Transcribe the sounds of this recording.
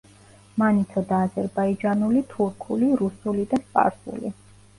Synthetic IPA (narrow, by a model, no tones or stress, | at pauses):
manit̪ʰɔd̪aːzɛɾbaid͡ʒanulit̪ʰuɾkʰuliɾusulid̪aspʼa̰ɾsṵlḭ